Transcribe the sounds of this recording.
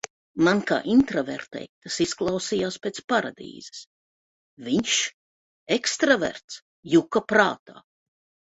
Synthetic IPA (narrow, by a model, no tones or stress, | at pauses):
manka̰ːʔint̪ɾavɛ̰ɾt̪ɛ̰jt̪asisklˠawsiːjaːspʲet̪spaɾad̪ḭːz̥ɛ̥s | viɲʃ | ekst̪ɾavɛ̰ɾt̪s | jukapɾaːt̪a̰ː